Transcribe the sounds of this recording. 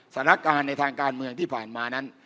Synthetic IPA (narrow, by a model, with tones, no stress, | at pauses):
sa˨˧˦na˧˥˩kaː˧nːa˧jt̪ʰaː˧ŋkaː˧nmɯ˧əŋt̪ʰiː˥˩pʰaː˨˩nmaː˧na˦˥n